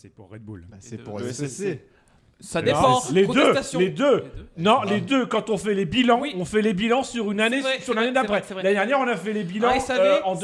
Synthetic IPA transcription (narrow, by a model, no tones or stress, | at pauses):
ɛbul | sad̪ẽled̪øt̪sled̪ønɔ̃led̪økɑ̃t̪ɔ̃fɛlebilɑ̃ɔ̃fɛlebilɑ̃syʁynanesyʁynaned̪apχɛlad̪ɛʁnjɛʁɔ̃nafɛlebilɑ̃øɑ̃d̪